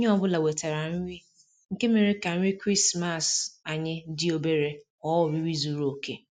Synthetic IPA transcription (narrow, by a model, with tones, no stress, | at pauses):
o˦ɲ˦ɔ˨bʊ˦la˨we˨ta˨ɾa˨n̩˦ɾi˦ | ŋ̩˨ke˦me˨ɾi˦ka˨m̩˦ɾi˦kɾi˦sma˨sa˨ɲɪ˦dɪ˦o˦be˦ɾe˦ | ɔ˦wʊ˨ɾi˦wi˦zu˨ɾo˨ke˦